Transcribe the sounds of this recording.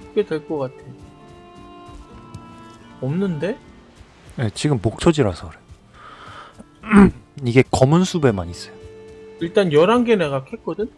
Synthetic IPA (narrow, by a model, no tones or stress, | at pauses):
k͈e̞dwe̞ɭk͈ʌk͈atʰe | ʌmnɯnde̞ | je̞t͡ɕiɡɯmːok̚t͡ɕʰʌd͡ʑiɾasʰʌɯɾe | iɡe̞kʌmɯnsʰube̞maɲis͈ʌjoiɭt͈anjʌɾaŋɡe̞neɡakʰe̞k͈ʌdɯn